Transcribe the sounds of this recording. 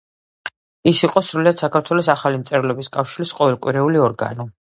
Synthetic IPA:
isiqʼɔsɾuliad̪sakʰaɾt̪ʰwɛlɔsaχalimt̪sʼɛɾlɛbiskʼafʃiɾisqʼɔvɛlˠkʼwiɾɛuliɔɾɡa̰nɔ

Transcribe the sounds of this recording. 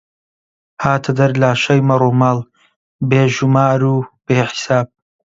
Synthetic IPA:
haːt̪ʰɐd̪ɐɾlaːʃɐjmɐɾˤuːmɑːlˠ | beːʒumaːɾuːb̥eːħi̥saːb̚

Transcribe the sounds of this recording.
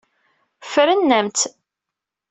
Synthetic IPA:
fɾənːæmt̪

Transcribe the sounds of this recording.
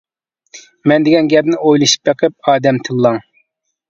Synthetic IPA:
mɛnd̪ɪɡʲɛnɡʲɛpnɪojlˠɨʃi̥p̚d̪eqʰəp̚ɑːd̪ɛmt̪ʰɨlˠːɑŋ

